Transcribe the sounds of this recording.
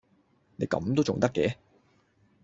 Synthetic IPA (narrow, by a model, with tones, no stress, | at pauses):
ne˨˧˥jkɐ̰˨˥mt̪o˥wt͡sʊ˨ŋt̪ɐ˥kːɛː˨˦